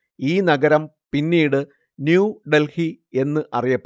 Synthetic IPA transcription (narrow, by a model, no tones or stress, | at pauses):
iːnɐɡɐɾɐmpinːiːɽɨ | njuːɖelhie̞nːɨʔɐrijɐpː